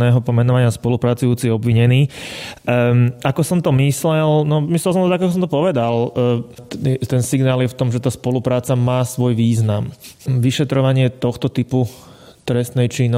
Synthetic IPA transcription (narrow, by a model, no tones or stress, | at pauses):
nɛːɦɔpɔmɛnɔʋaɲɪaspɔlupɾat͡sujuːt͡siɛɔbʋiɲɛniː | akɔsɔmt̪ɔmislɛlnɔmislɛlsɔmt̪ɔd̪akakɔs̬ɔmt̪ɔpɔʋɛd̪al | ɛt̪ɛnsiɡnaːljɛft̪ɔmʒɛt̪aːspɔlupɾaːt͡samaːsʋɔjʋiːznamʋiʃɛt̪ɾɔʋaɲɪɛt̪ɔxt̪ɔt̪ipu | t̪ɾɛst̪nɛjt͡ʃin